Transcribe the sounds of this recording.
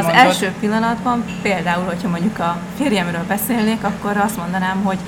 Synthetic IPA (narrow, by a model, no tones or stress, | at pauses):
zɛlʃøːpilːɒnɒd̪bɒmpeːld̪aːulho̞chɒmo̞ɲɟukɒ | feːɾjɛmrøːlbɛseːlneːkɒkːo̞ɾɒst̪mo̞nd̪ɒnaːmɦo̞ɟ